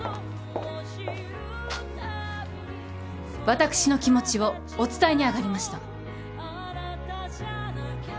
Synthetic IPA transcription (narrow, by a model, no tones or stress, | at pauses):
βat̪akɯ̟̥ɕino̞kʲimo̞t͡ɕiβo̞ː | t͡sɨ̥t̪aiɲ̟iaɡaɾʲimaɕi̥t̪a